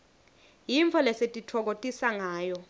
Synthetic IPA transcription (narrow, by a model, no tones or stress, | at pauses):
jiɱfʰɔlɛsetʼitʰɔk̬otʼisaŋaːjɔ